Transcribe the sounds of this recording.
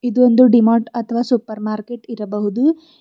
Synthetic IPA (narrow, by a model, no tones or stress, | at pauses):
id̪ond̪uɖimaːɳʈɐt̪ʰɐʋaːsupːɐɾmaːɾkeʈiɾɐbɐɦud̪u